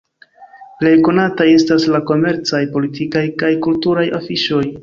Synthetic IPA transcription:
ple̞jko̞nataje̞staslako̞me̞ɾt͡sajpo̞litikajkajkultuɾajʔafiʃo̞j

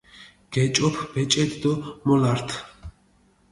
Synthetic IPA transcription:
ɡ̥ɛt͡ʃʼɔpʰbɛt͡ʃʼɛd̪d̪ɔmɔlaɾt̪ʰ

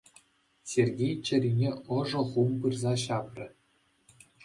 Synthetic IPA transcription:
sʲerʲɡʲejt͡ɕɘ̆rʲinʲeɤ̆ʐɤ̆χumpɯrzɑɕɑprʲɘ̆

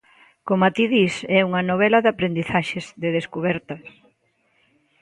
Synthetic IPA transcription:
komat̪iðisɛuŋɐnoβɛlɐðapɾend̪iθaʃezðɪð̞eskuβɛɾt̪ɐ

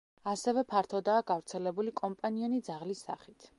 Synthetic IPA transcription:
asɛvɛpʰaɾt̪ʰɔd̪aːɡavɾt̪sʰɛlɛbulikʼɔmpʼaniɔnid̪zaʁlisːa̰χit̪ʰ

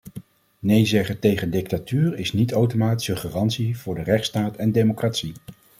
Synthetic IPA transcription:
nejzɛχətejχəndɪk̚tatyːrɪsnitowtomaːti̥səχəːrɑntsiv̥ʊːɹdərɛχtstaːtɛndejmokraːtsi

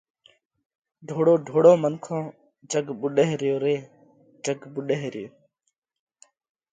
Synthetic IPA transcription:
ɖʱoːɽoːɖʱoːɽõːmənkʰõː | d͡ʒəɡɓʊɗeɦɾjoːɾeː | d͡ʒəɡɓʊɗeɦɾɪjoː

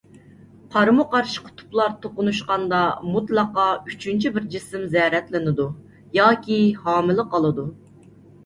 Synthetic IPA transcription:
qʰɑɾmuqɑɾʃi̥qʰʊ̥t̪ʰu̥plˠɑɾt̪ʰoqʊnuʃqɑnd̪ɑmut̪lˠɑqɑy̥t͡ʃʰynt͡ʃʰibɪɾd͡ʒisɪmzɛɾɛt̪lɪnɪd̪u | jɑːkʲihɑːmɨlˠɨqɑlˠɨd̪u

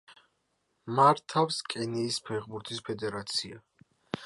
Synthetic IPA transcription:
maɾt̪ʰafskʼɛniːspʰɛʁbuɾt̪ʰispʰɛd̪ɛɾat̪sʰia

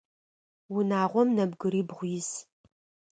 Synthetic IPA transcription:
wʊnaːʁʷɔmnɐbɡɨɾiːbʁʷʊjɪs

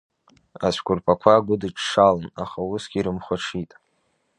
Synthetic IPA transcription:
at͡ɕʷʰkʷʊrpʰakʷʰaːɡʷʊdɨʈ͡ʂʰʂalɨnaχausɡ̥ʲiɾɨmχʷaʈ͡ʂʰitʼ

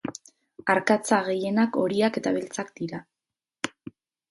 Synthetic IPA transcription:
aɾkat͡saɣ̞e̞je̞nako̞ɾiake̞t̪aβe̞lt͡sakd̪iɾa

